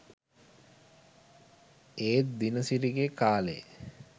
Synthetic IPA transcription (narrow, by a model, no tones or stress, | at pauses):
eːt̪̚d̪inəsiɾiɡekaːle